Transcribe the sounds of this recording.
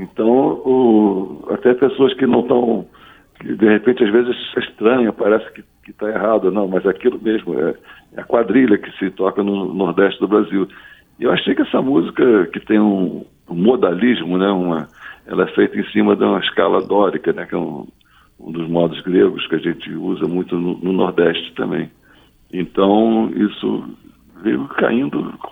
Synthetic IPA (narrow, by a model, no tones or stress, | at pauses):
ẽt̪ɐ̃w̃ʊ | a̰t̪ɛpesoɐskɪnɐ̃w̃t̪ɐ̃w̃ | kɪ̰d̪ehepẽnt͡ʃɪazvezɪziʃt̪ɾɐ̃ɲɐpaɾɛsɪ̥kɪ | kɪt̪aeɦad̪ʊnɐ̃w̃mɐzakilʊmeʒmʊɛ̰ | ɛ̰ɐkwad̪ɾiʎɐkɪ̥sɪt̪ɔkɐnʊnoɾd̪ɛʃt͡ʃɪd̪ʊbɾaziw | ewaʃejkɪɛsɐmuzikɐkɪt̪ẽj̃ũ | ũmod̪aliʒmʊnɛũmɐɛ̰lɐɛfejt̪ɐẽsĩmɐd̪ũmɐɪʃka̰lad̪ɔɾikɐnɛkɛ̰ũ | ṵ̃d̪ʊzmɔd̪ʊzɡɾeɡʊskɪɐʒẽnt͡ʃɪuzɐmũj̃t̪ʊnʊnʊnoɾd̪ɛʃt͡ʃɪ̥t̪ɐ̰̃mbḛ̃j̃ | ẽt̪ɐ̃w̃ḭsʊ̰ | vejʊka̰ĩnd̪ʊ